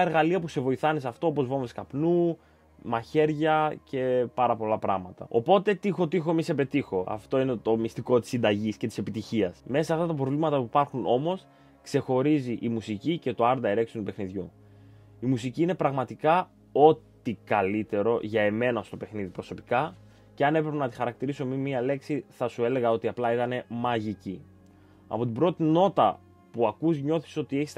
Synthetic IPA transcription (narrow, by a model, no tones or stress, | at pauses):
ɐeɾɣɐliɐpuse̞vo̞iθɐnesɐft̪o̞opo̞zvo̞mveskɐpnu | mɐçe̞ɾʝɐce̞pɐɾɐpo̞lɐpɾɐɣmɐt̪ɐ̰o̞po̞t̪e̞t̪ixo̞t̪ixo̞misepe̞t̪ixo̞ɐ̰ft̪o̞inet̪o̞mist̪iko̞t̪i̥sːind̪ɐʝiscet̪i̥se̞pit̪içiɐsme̞sɐsɐft̪ɐt̪ɐpɾo̞vlimɐt̪ɐpuipɐɾxuno̞mo̞s | kse̞xo̞ɾiziʔimusicice̞t̪o̞ɐɾd̪ɐeɾe̞ksiot̪upe̞xniðʝu | imusiciine̞pɾɐɣmɐt̪ikɐ | o̞t̪ikɐlit̪e̞ɾo̞ʝɐe̞me̞nɐst̪o̞pe̞xniðipɾo̞so̞pi̥kɐ | ce̞ɐne̞pɾe̞penɐt̪ixɐɾɐk̚t̪iɾiso̞mimːiɐle̞ksiθɐsue̞le̞ɣɐo̞t̪iɐplɐit̪ɐne̞mɐʝici | ɐ̰po̞t̪ibɾo̞t̪ino̞t̪ɐ | puɐkuzɲo̞θi̥so̞t̪ie̞çis